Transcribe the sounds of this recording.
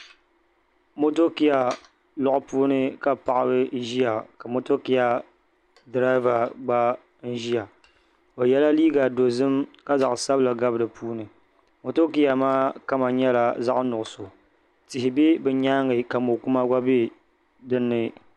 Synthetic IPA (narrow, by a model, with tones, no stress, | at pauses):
mo˦to˦ki˦a˨ | lɔ˨ʔʊ˦puː˦nɨ˦ka˦pa˨ʔa˦bɨ˦ʒi˦ja˨ka˨mo˦to˦ki˦ja˨ | dɾa˦ɪ˦va˨ɡ͡ba˦ | n̩˦ʒi˦ja˨ | o˨jɛ˦la˦liː˦ɡa˨do˨zɨ˦mka˦za˨ʔsa˦bɨ˦la˨ɡa˦bɨ˦dɨ˨pʰuː˦nɨ˨ | mo˨to˦ki˦a˨maː˦ka˦ma˨ɲɛ˦la˨za˦ʔnʊ˨ʔʊ˨so˨ | tɪ˨ɦɪ˨be˦bɛ˨ɲaː˦ŋɨ˨ka˨mo˨ku˦ma˦ɡʷa˦be˦ | dɨ˦nːɨ˨